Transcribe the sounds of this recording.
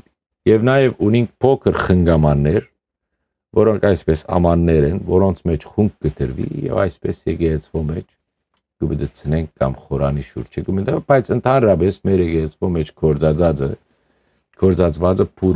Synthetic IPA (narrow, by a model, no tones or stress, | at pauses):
jɛvnɑjɛvuniŋkʰpʰɔkʰəɾχəŋɡɑmɑnːɛɾ | vɔɾɔŋkʰɑjspɛsɑ̰mɑnːɛɾɛnvɔɾɔnt͡sʰmɛt͡ʃʰχuŋk̚ʰɡət̪ʰəɾvḭjɛ̰vɑ̰jspɛsjɛɡɛɛt͡sʰvɔʁmɛt͡ʃʰ | kəbəd̪ət͡sʰənɛŋk̚ʰːɑmχɔɾɑniʃṵɾt͡ʃʰəkəməd̪ɛb̥ɑjt͡sʰənt̪ʰɑnɾɑpɛsmɛɾjɛɡɛɛt͡sʰvɔʁmɛt͡ʃʰkʰɔɾd͡zɑd͡zɑd͡zə | kʰɔɾt͡sɑt͡sʰvɑt͡səpʰuɾ